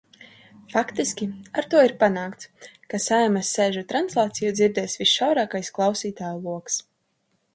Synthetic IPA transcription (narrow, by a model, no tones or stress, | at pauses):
fakt̪iskʲiaɾt̪uɔiɾpanaːkt̪skasajmasːeːʒut̪ɾanslˠaːt̪sijud̪ziɾd̪ɛːsvisʃawɾaːkajsklˠawsiːt̪aːjulˠuɔks